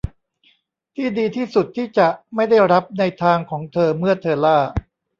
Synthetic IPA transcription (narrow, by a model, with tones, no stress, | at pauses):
t̪ʰiː˥˩diː˧t̪ʰiː˥˩su˨˩t̪ʰːiː˥˩t͡ɕa˨˩ma˥˩jda˥˩jɾa˦˥p̚na˧jt̪ʰaː˧ŋkʰɔː˩˦ŋt̪ʰɤː˧mɯ˥˩ɐt̪ʰɤː˧laː˥˩